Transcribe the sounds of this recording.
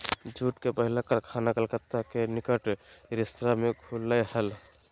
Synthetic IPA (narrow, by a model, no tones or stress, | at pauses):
d͡ʒuʈkepəɦilakəɾkʰanakəlkət̪ːakenikəʈɾist̪ɾameɡʱuləhəl